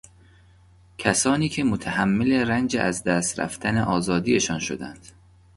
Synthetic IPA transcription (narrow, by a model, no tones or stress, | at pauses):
cʰæsɒːniːcʰemot̪ʰæhæmːeleɾænd͡ʒeʔæzd̪æːst̪ɾæ̰ft̪æne̞ʔɒːzɒːd̪iːje̞ʃɒːnʃo̞̰d̪æ̰nd̪̥